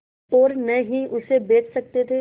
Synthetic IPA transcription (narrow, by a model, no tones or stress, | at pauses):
ɔːɾnɐɦĩʔʊsebeːt͡ʃʰsɐk̚t̪et̪ʰeː